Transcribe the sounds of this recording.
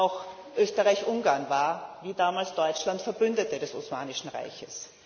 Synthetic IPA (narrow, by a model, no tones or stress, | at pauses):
aʊx | ʔøːstəʁaɪçʔʊŋɡaɐnvaːɐviːdaːmaːlsd̥ɔʏt͡ʃlantfɛɐbʏndətədɛsosma̰ːnɪʃn̩ʁa̰ɪçəs